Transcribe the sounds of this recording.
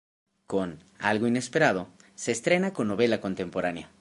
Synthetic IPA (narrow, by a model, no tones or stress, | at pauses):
ko̞n | a̰lɣoine̞spe̞ɾað̞o̞se̞ːst̪ɾe̞nako̞nːo̞βe̞lako̞nt̪e̞mpo̞ɾanja